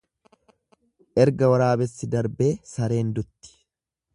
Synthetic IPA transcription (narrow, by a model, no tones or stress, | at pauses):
ʔɛɾɡɐwɐɾaːbɛsːɪd̪ɐɾbe̞ːsɐɾe̞ːnd̪ʊt̪ːɪ̥